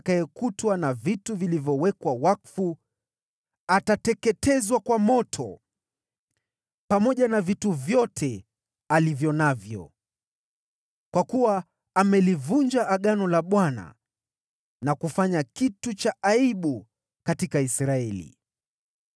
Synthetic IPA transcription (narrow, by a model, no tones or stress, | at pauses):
kaɛkutwanavituvilivjɔwɛkwawakfu | atatɛkɛtɛzwakwamɔtʰɔ̰ | pamɔʄanavituvjɔtʰɛ | alivjɔnavjɔ̰ | kwakuwaː | mɛlivund͡ʒaʔːɠanɔlaɓwana̰ | nakufaɲakitut͡ʃaʔaiɓu | katikaisɾaɛlḭ